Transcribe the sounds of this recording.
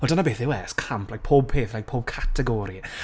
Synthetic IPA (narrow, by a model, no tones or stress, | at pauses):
wɛlˠdanabeːθɪwɛskʰampʰlajk̚pʰoːb̚pʰeːθrajk̚pʰoːb̚kʰatʰɛɡɔːɾi